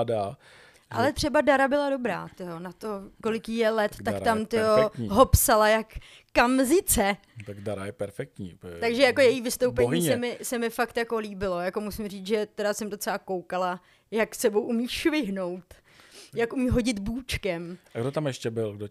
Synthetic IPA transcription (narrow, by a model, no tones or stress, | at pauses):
da | ʔa̰lɛt̪r̝̥ɛbadaɾabɪlado̞bɾa̰ːt̪ɪjonat̪o̞ko̞lɪkjijɛlɛt̪t̪ːakt̪amt̪ɪoɦopsalajakː | amzɪt͡sɛ | t̪aɡdaɾajɛpɛɾfɛk̚t̪ɲḭːpɛt̪aɡʒɛjako̞jɛjiːvɪst̪owpɛɲiːsɛmɪsɛmɪfakt̪jako̞liːbɪlo̞jako̞musɪmriːt͡sʒɛt̪ɛdasɛmd̪o̞t͡sɛlako̞wkala | jaksɛbo̞wʔumiːʃvɪɦno̞wt̪ | jakʔumiːɦo̞ɟɪt̪buːt͡ʃkɛmʔaɡdot̪amjɛʃcɛbɪlɡdo